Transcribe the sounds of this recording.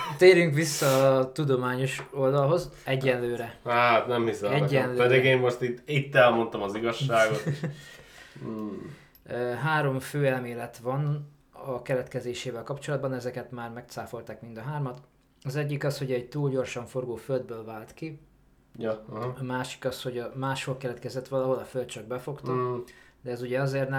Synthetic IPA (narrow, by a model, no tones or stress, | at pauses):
t̪eːɾyŋkʋisːɒːt̪ud̪o̞maːɲo̞ʃo̞ld̪ɒlɦo̞zɛɟːɛnløːɾɛhat̪nɛmhisoɛɟːɛnlːɛd̪iɡeːmmoʃt̪it̪ːit̪ːɛlmo̞nt̪ɒmɒziɡɒʃːaːɡot | ɦaːɾo̞mføːɛlmeːlɛt̪ʋɒn | ɒkɛɾɛt̪kɛzeːʃeːvɛlkɒpt͡ʃo̞lɒd̪̚bɒnɛzɛkɛt̪maːrmɛkt̪saːfo̞lt̪aːkmind̪ɒɦaːrmɒt̪ | ɒzɛɟːikɒsho̞ɟɛɟ̚t̪uːlɟo̞rʃɒɱfo̞rɡoːføld̪̚bøːlvaːlt̪ki | jɒmaːʃi̥kɒsho̞ɟɒmaːʃho̞lkɛɾɛt̪kɛzɛt̪ʋɒlɒɦo̞lɒfølt̪̚t͡ʃɒɡ̚bɛfo̞kt̪ɒd̪ɛːzuɟɛɒzeːrnɛ